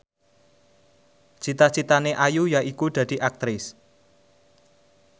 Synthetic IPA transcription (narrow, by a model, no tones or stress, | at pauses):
t͡ʃit̪ḁt͡ʃit̪aneʔajujaikud̪̥ä̤d̪̥i̤ʔak̚t̪ɾɪs